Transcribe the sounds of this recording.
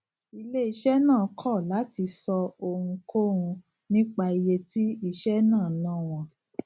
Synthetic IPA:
i˧le˦i˧ʃɛ˦nãː˦˨kʰɔ˦˨la˨˦ti˧sɔ˧o˧hũ˧kʰo˦ɾ̃ũ˧ | nĩ˦k͡pa˧i˧je˧ti˦i˧˨ʃɛ˦nãː˦˨nãː˦˨w̃ɔ̃˧

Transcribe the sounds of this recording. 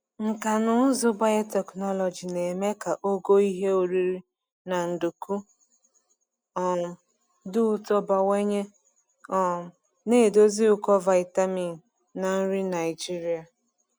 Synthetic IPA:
ŋ̩˨ka˨nʊ˦zʊ˦ba˦e˦tɛ˨knɔ˦lɔ˨d͡ʒi˨ne˨me˦ka˨ʔo˦ɡo˦i˦ɦe˦o˨ɾi˦ɾi˦ | na˨n̩˨du˨ku˦ | ɔ˨ | dʊ˦ʊ˦tɔ˦ba˨we˦ɲe˦ | ɔ˨ | ne˦˨do˦zi˦ʊ˦˨kɔ˦va˨ɪ˨ta˦mi˨n˨ | na˨n̩˦ɾi˦na˨ɪ˨d͡ʒi˦ɾi˦a˨

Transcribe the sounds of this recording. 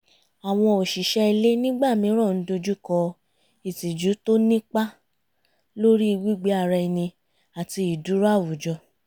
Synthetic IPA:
a˨w̃ɔ̃˧o˨ʃi˨ʃɛ˦i˧le˦nĩ˦ɡ͡ba˦˨mĩ˨˦ɾ̃ɔ̃˦˨n̩˨˦do˧d͡ʒu˦kɔ˧ | i˨ti˨d͡ʒu˨˦to˦nĩ˦k͡pa˦ | lo˦ɾi˦i˧wi˦ɡ͡be˦a˧˨ɾɛ˧i˧nĩ˧ | a˨ti˧i˨du˨˦ɾa˦˨wu˨d͡ʒɔ˧

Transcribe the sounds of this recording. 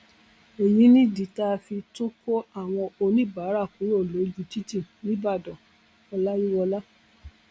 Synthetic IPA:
e˨jĩ˨˦nĩ˦di˨ta˦fi˧to˦ko˦a˦˨w̃ɔ̃˧o˧nĩ˦ba˨˦ɾa˦˨ku˨˦ɾo˦˨lo˨˦d͡ʒu˦˨ti˦ti˦˨nĩ˨˦ba˦˨dɔ̃˨ | ɔ˧la˦ji˦wɔ˧la˦

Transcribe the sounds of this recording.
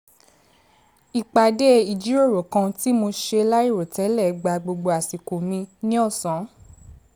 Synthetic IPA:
i˨k͡pa˨de˦i˨d͡ʒi˨˦o˦˨ɾo˨kã˧ti˦mo˧ʃe˧la˦i˦˨ɾo˨tɛ˨˦lɛ˦˨˧ɡ͡ba˧ɡ͡bo˧ɡ͡bo˧a˨si˨ko˨mĩ˧nĩ˦ɔ˦˨sã˨˦

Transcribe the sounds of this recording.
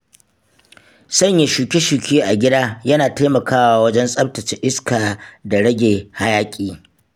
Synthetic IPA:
sɐ˦˨ɲje˨ʃuː˨kʲe˦ʃuː˨kʲeː˦ʔa˨ɡʲɪ˦daː˦jɐ˦naː˨taː˦mɐ˨kaː˦waː˦wɐ˦d͡ʒɛ˦nsʼɐ˦p̚tɐ˨t͡ʃɪ˦ʔɪ˦skaː˨da˨ɽɐ˦ɡʲeː˨ha˦jaː˦kʲʼiː˦

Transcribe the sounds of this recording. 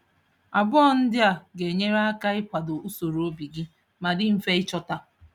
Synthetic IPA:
a˨bɔ˦n̩˦dɪ˦a˨ɡe˨ɲe˦ɾa˦ka˦ɪ˦pʷa˨dʊ˨u˦so˨ɾo˦bi˨ɡɪ˦ | ma˨dɪ˦m̩˨fe˦ɪ˦t͡ʃɔ˦ta˦

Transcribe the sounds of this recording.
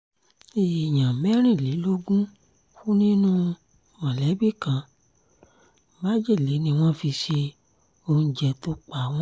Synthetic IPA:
e˨jã˨mɛ˦ɾ̃ĩ˦˨le˨˦lo˦ɡũ˦ | fu˦nĩ˦nũ˦ | wã˨lɛ˨˦bi˦˨kã˧˨ | ba˦d͡ʒe˦˨le˨˦nĩ˧w̃ɔ̃˦fi˧ʃe˧ | o˧d͡ʒɛ˧˨to˧˦k͡pa˨w̃ɔ̃˦

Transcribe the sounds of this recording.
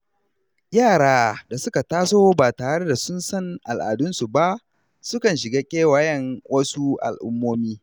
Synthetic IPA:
jaː˦˨ɽaː˦da˨sʊ˦ka˨taː˦soː˦baː˨taː˨ɽe˦da˨sʊ˦nsɐ˦˨ŋʔa˨lʔa̰ː˨dʊ˦nsu˨ba˦ʔ | sʊ˦kɐ˨nʃɪ˨ɡaː˦kʲʼeː˦wa˨jɛ˦˨ŋwɐ˦su˦ʔa̰˨lʔʊ̰˦mːoː˦miː˦

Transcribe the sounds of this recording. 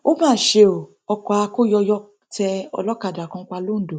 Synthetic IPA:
o˦mãː˦˨ʃe˧˦o˨ | ɔ˧kɔ˧a˧ko˦jɔ˧jɔ˧ | tɛ˧ɔ̰˧lɔ˦ka˦˨da˨kã˧˦k͡pa˧lo˦n̩˨do˨

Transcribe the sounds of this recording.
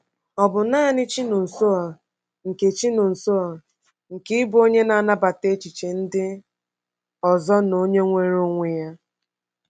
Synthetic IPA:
ɔ˨bʊ˨naː˦˨nɪ˦t͡ʃi˦nʊ˨n̩˨so˦ɔ˨ | ŋ̩˨ke˨t͡ʃi˦nʊ˨n̩˨so˦ɔ˨ | ŋ̩˨kɪ˦ɪ˦bo˦ɲe˦na˨a˨na˦ba˨te˦t͡ʃi˨t͡ʃe˨n̩˦dɪ˦ | ɔ˨zɔ˦no˦ɲe˦ŋʷe˦ɾo˦ŋʷe˨ja˦

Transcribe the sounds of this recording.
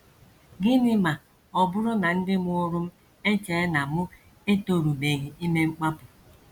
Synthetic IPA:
ɡɪ˦nɪ˦ma˨ | ɔ˨bʊ˦ɾʊ˦na˨n̩˦dɪ˦m˦ʊ˦ɾʊ˦m̩˦ | e˦t͡ʃe˨˦na˨mʊ˦ | e˦to˨ɾu˨be˨ɣi˨i˦me˦ŋ͡m̩˦k͡pa˦pʊ˨

